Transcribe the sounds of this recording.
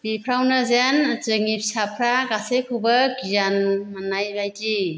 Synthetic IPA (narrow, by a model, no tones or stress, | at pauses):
bipʰɾawnazjanzɯŋip̚sapʰɾaɡasekʰubəɡijanmanajbajti